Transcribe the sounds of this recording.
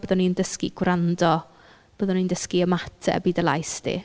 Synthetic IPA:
oðɔnindəskḭɡ̥wrandɔ | b̥oːðɔnindəskiəmatʰɛ̰biːdəlˠa̰jsdʰḭ

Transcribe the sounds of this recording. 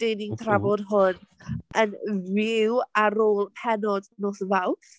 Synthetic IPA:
d̥ejnɪŋθʰravɔdɦʊnʔənvɪwaɾoːlˠpʰɛnɔdnoːθvawθ

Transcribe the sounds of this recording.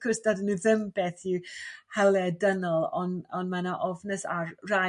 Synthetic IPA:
kʰʊsdadəniðɪmb̥ɛθihɛlˠɛdənəlˠɔnɔnmanaʔɔvnəsarra

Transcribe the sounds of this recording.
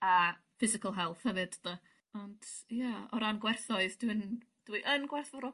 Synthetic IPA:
a | fɪzɪkəlˠɦɛlˠθhɛvɨd̥da | ɔnd̥jaɔɾanɡwɛrθɔɨðdwin | d̥wiʔənɡwɛrθɔrɔ

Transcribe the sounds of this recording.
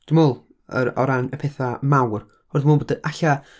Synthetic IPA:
d̥umoːlˠ | ə̰ɾɔɾanəpʰeθamawr | horðmuːnboːdəʔaɬa

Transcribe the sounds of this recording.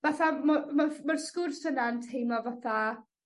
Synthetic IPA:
vaθamamamarskʊrsənaəntʰejmlɔvaθa

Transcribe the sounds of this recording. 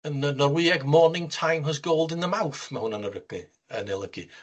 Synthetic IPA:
ənənɔrwiːɛɡmɔnɪŋtʰajmrɔs̬ɡoːlˠdɪnðəmawθmahʊnənəɾəɡ̥ɨ | ənɛlˠəɡ̥ɨ̰

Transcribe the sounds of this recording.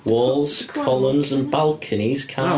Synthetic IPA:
wɔːlˠz̥kʰɒlˠə̃mzə̃nbalˠkʰəniz̥kʰa

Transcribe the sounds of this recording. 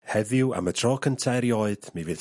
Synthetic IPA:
hɛðɪwa̰mətʰrɔːkʰəntʰɛɾjɔːɨd̥mivɨð

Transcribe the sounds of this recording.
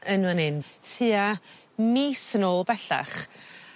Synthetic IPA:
ənwənɪntʰiːa | miːsənoːlˠbɛɬa̰χ

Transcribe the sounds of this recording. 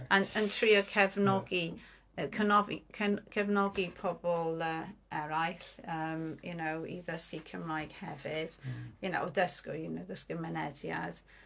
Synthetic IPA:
ənəntʰɹiːɔkʰɛvnɔɡi | əkʰənɔvḭkʰəkʰɛvnɔɡipʰɔbɔlˠəɛɹajɬəmjṵnowḭðəstikʰəmɹajɡ̥hɛvɪd̥jəno̰ðəskʊjunowðəskəmɛnɛdja̰d̥

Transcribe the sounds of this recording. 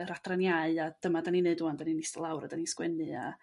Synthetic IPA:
əɾadranjaɨad̥əmadanineɨduandaninɪstəlˠawɾadaniskwɛnɨa̰

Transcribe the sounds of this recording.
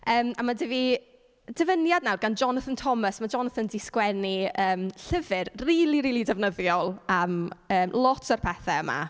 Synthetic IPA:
əːmamadəvi | d̥əvənjadnawrɡand͡ʒɔnθəntʰɔməsmad͡ʒɔnθəndɪskwɛniəːmɬəvɪrriːlˠiɾiːlidɛvnəðjɔlˠaməːmlˠɔtʰərpʰɛθɛəma̰

